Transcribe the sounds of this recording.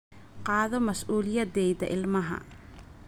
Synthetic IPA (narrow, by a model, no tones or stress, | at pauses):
qɑːðɔmɐsʔuːlɪjɐd̪ɛjdɐ̰ʔɪlmɐɦɐ̰